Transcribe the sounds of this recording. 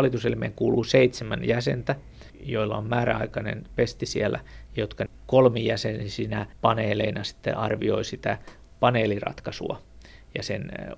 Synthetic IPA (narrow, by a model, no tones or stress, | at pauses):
lit̪uselmḛːŋkuːluːseit̪semænjæsent̪æ | joilːɑommæːræ̰ɑikɑnḛnpest̪isiælːæjot̪kɑkolmijæsenisinæpɑneːleinɑsi̥t̪ːḛʔɑrʋioisit̪æ | pɑneːlirɑ̰t̪kɑsṵɑ̰ | jɑsen